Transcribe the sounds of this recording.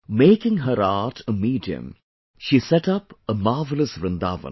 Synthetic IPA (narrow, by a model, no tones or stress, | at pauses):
meːkɪ̃ŋɦəɾaːʈʰəmiːɖiə̰̃m | ʃisɛʈʌpəmaːvələsbɾɪ̃nd̪a̰ːʋə̰̃n